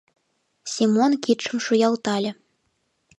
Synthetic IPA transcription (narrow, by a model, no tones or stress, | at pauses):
sʲimonkit̪ʃə̆mʃujɑlˠt̪ɑlʲɤ̆